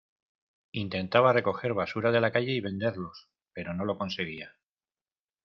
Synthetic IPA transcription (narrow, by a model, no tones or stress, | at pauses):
int̪e̞nt̪aβ̞are̞ko̞xe̞ɾβasuɾaðe̞lakaʝe̞iβe̞nd̪e̞ɾlo̞s | pe̞ɾo̞no̞lo̞ko̞nse̞ɣ̞ia